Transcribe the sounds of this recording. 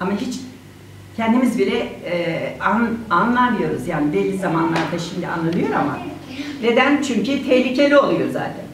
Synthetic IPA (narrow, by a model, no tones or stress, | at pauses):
amaɦit͡ʃ | cʰɛnd̪imizbilʲɛ | ananlˠamɯjo̞ɾuzjaːnibelʲizamanlˠaɾd̪aʃimd̪ia̰nlˠanɯjo̞ɾama̰ | ne̞d̪ænt͡ʃʰyɲcyt̪ʰɛçlʲicʰe̞lʲio̞lˠujo̞za̰ːt̪ʰæn